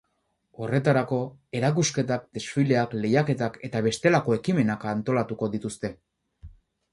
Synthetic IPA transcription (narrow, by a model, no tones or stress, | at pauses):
o̞re̞t̪aɾako̞e̞ɾakuske̞t̪ak̚d̪e̞sfile̞akle̞jake̞t̪ake̞t̪aβ̞e̞st̪e̞lako̞e̞kime̞nakant̪o̞lat̪uko̞ðit̪ust̪e̞